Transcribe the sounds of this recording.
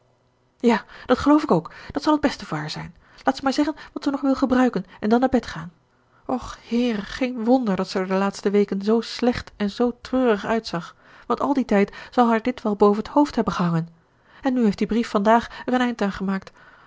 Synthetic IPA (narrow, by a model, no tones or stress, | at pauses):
jaːd̥ɑtχəlowfɪkowkd̥ɑtsɑlˠəd̚bɛstəvʊːɹɦaːɹzɛ̰jn | laːtsəmaːɹzɛχənʋɑtsənɔχʋɪlˠχəbrœɥkənɛndɑnːaːɹbɛtχaːn | ʔɔχhɪːrəχejnʋɔndəɹdɑtsəɹdəlaːtstəʋejkənzowslɛχtɛnzowtrøːrəχœɥtsɑχ | ʋɑntɑ̰lˠditɛjtzɑlˠɦaːɹdɪtʋɛlˠbowvənəthowftɦɛbənχəɦɑŋən | ɛnːyɦejftd̥ibrifːɑndaːχɛrənɛjntaːnχəmaːk̚t